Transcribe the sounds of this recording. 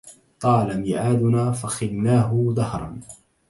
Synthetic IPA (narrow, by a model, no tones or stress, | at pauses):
t̪ˤɑːlamɪʕaːd̪ʊnaːfaxɪlnaːɦʊd̪ɑhɾˤɑ̰n